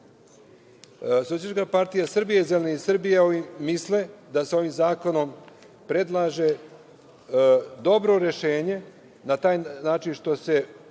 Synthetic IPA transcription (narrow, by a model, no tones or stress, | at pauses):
sosjeʃkapaɾt̪ijasr̩bijezeleneisr̩bijeoimisle̞d̪aseo̞ʋiːmzaːko̞no̞m | pɾe̞d̪lˠaːʒe̞ | d̪o̞bɾo̞ɾe̞ʃe̞ːɲe̞ | nat̪aːjnaːt͡ʃinʃt̪o̞se̞